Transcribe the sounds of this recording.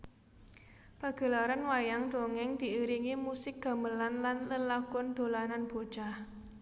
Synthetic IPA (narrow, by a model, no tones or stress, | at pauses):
pa̤ɡ̥ə̤laɾanwajaŋd̪̥o̤ŋɪŋd̪̥i̤iɾiŋimusɪk̚ɡ̥a̤məlanlanləlakʊnd̪̥o̤lananb̥o̤d̥ʒ̥ah